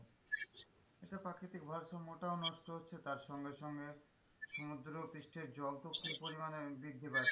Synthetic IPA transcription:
eʈepɾakɾit̪ik̚bʱaɾʃamoʈaonɔʃʈoɦotːɕʰet̪aɾʃɔŋɡeʃɔŋɡe | ʃomud̪ɾopɾiʃʈʰeɾd͡ʑɔlt̪okːɾipoɾimanebid̪ʱipaɾʰ

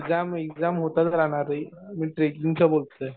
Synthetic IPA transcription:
kd͡zamekd͡zamɦot̪at̪əɾaɽ̃aɾəjmiːʈɾekiŋɡsəbolt̪ə

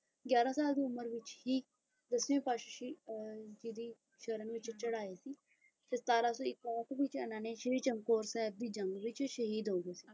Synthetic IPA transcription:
ɡjaːɾaːsaːld̪iːʊməɾʋɪt͡ʃhiː | d̪əsʋẽːpaːʃəʃiːd͡ʒiːd̪iː | ʃəɾənːʋɪt͡ʃt͡ʃəɽaːeːsiː | t̪eːst̪aːɾaːsõːɪkɛːkʋɪt͡ʃənãːneːʃəiːt͡ʃəŋɡkoːɾsɛːb̚d̪iːd͡ʒəŋɡʋɪt͡ʃʃəɦiːd̪ɦoːɡeːsi̥ː

